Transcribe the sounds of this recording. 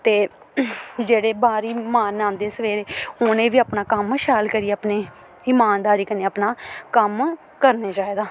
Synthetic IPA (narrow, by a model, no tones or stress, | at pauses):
t̪eː | d͡ʒeːɽeːbaːɾiːmãːnːãːnd̪eːsəʋeːɾeːhʊnẽːʋiːaːpnaːkəmʃaːlkəɾijeːaːpneː | ɪmaːnd̪aːɾiːkəneːapnaːkəm | kəɾneːd͡ʒaːeːd̪aː